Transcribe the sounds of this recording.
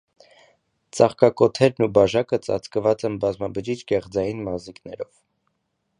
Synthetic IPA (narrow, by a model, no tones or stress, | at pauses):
t͡sɑχkɑkɔt̪ʰɛɾnubɑʒɑkət͡sɑ̰t͡skəvɑt͡sɛnbɑzmɑbəd͡ʒit͡ʃʰɡɛʁd͡zɑjinmɑziknɛɾɔv̥